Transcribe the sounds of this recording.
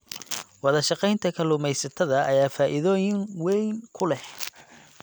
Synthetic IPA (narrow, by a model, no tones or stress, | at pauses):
wɑðɐʃɑqɛjnt̪ʰɐkʰɐlʊmɛjsɐt̪ʰɐðɐɐjaːfaːʔɪðɔːjɪŋwɛjŋkʰʊlɛh